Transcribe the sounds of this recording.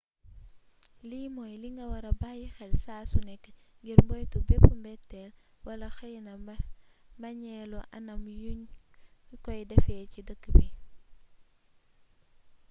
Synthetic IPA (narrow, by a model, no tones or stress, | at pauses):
limɔjliŋɡɐwɐɾɐbaːjixɛlsaːsunɛkː | ŋɡiɾmbɔjtubɛpumbɛtːɛl | wɐlɐxɐjnɐ | mbɐɲɛlɔʔɐnɐmjuɲ | kɔjdɛfɛːcidəkːəbi